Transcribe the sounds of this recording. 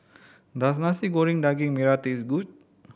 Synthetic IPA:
d̪as̬nasiɡoɾiŋdaɡiŋmiɾat̪isɡut͡ʃ̚

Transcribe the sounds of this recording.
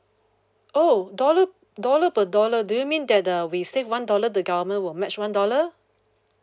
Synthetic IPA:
ʔodɔlə | dɔləpədɔlədujumĩndɛt̚əwisevwãndɔlədəɡavəmə̃nwɪlmɛt͡ʃwãndɔlə

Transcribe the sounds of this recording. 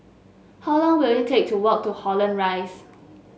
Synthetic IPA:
hɔlãŋwiljtʰek̚tʰuwɔk̚tuhɔlə̃nɹaɪs

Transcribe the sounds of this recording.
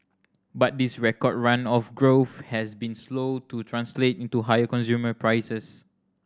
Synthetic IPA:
bat̚disɹɛkɔd̚ɹãnɔfɡɹofhɛsbĩnslotutʰɹãnsletĩntuɦajəkɔ̃nsjuməpɹajsəs

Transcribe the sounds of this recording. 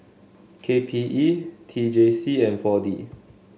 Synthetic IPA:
kʰepʰiʔitʰid͡ʒesiɛ̃nfɔdi

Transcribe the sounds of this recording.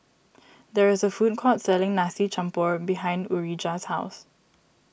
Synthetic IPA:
d̪ɛɹɪsəfut̚kʰɔtsɛlɪ̃ŋnasit͡ʃãmpəbiɦãɪ̃nduɹid͡ʒashaʊs

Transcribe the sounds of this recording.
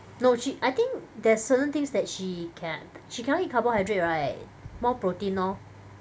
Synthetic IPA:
noʃiʔajt̪ɪ̃ŋkdɛsətə̃nt̪ɪ̃ŋsdɛt̚ʃikʰɛ̃nʃikʰɛ̃nõlikʰabəhajdɹet̚ɹat̚ | mɔpɹotĩnɔ

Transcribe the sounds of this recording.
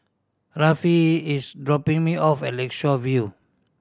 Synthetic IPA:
ɹafiisdɹɔpĩŋmiɔfɛlɛkʃɔvju

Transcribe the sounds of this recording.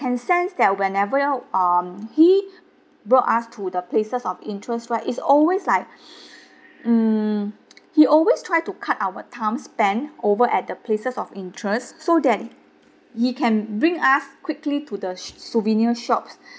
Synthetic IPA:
kɛ̃nsɛ̃nsdɛt̚wɛ̃nɛvəʌmhi | boʔastʰudəplesəsɔfĩntʰɹɛstɹaʔitsɔlweslaɪk̚ | m̩ | hiʔɔlwestʰɹaɪjtukʰatawətʰãmspɛ̃novəʔɛt̚dəpʰlesəsɔfĩntʰɹəstːodɛt̚ | hikʰɛ̃nbɹĩŋaskwiklitudəsuvĩniəʃɔps

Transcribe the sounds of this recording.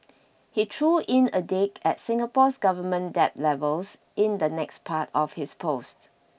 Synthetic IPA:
hitʰɹuʔɪ̃nədekʰɛt̚sɪ̃ŋəpɔsɡavəmə̃ndɛp̚lɛvəls | ɪ̃nd̪ənɛkspʰatɔfhɪspʰost

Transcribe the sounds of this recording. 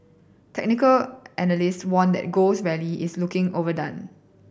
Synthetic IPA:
tʰɛk̚nɪkəlʔɛnəlistwɔ̃ndɛ̰t̚ɡoswɛliʔɪslukɪ̃ŋovədãn

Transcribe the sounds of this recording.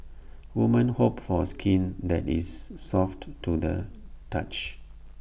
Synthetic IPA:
wumə̃nhopfɔəskʰĩnd̪ɛtḭsːɔfttːudə̰tat͡ʃ

